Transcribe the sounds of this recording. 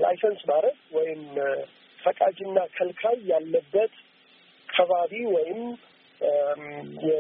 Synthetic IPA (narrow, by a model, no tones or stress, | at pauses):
la̰jsənsmaɾəɡwɔjɪm | fəkʼad͡ʒɨnːakʰəlkʰajːalːəbːət̪ | kʰəβaβiwɔjɪm | jɛ